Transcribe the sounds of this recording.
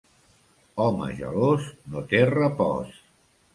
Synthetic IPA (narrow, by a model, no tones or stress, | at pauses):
ɔmə̰ʒə̰losnot̪erəpɔ̰s